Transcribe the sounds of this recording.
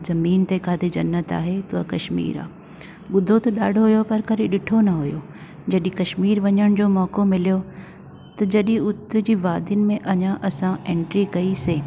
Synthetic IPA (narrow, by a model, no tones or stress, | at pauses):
zɐmiːnt̪ekʰaːt̪ʰed͡ʑɐnːət̪a̰ːɦet̪ʊakɐʃmḭːɾa̰ː | ɓʊd̪ʱot̪ɐɗaːɖʱoɦʊjopɐɾkɐɾiɗɪʈʰonɐɦʊjoː | d͡ʑɐɗĩkɐʃmiːɾʋɐɲəɽ̃d͡ʑoːmɔːkomɪlijo | t̪ɐd͡ʑɐɗĩʊt̪̆d͡ʑiːʋaːd̪ʱɪnɪ̆mẽʔɐɲãʔɐsãẽːɳʈɾikɐiseː